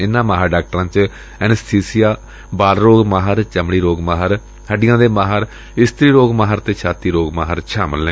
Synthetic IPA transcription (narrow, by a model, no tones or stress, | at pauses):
ɪnːãːmaːɦaːɖaːk̚ʈəɾãːt͡ʃ | ɛːnɛst̪ʰiːsijaː | baːlɾoːɡmaːɦəɾt͡ʃəmɽiːɾoːɡmaːɦɾ | həɖɪjãːd̪eːmaːɦəɾ | ɪst̪ɾiːɾoːɡmaːɦəɾt̪eːt͡ʃʰaːt̪iːɾoːɡmaːɦəɾt͡ʃʰaːməlẽ